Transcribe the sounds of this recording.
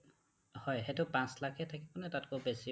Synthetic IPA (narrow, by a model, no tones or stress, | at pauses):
hɔjɦetʊpãslakʰɛtʰakibɔnɛtat̚kobesi